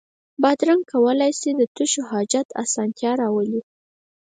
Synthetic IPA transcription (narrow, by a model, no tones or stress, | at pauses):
bad̪ɾaŋkawəlajsid̪ət̪uʃoɦɑd͡ʒat̪a̰sɑnt̪jɑɾɑwəli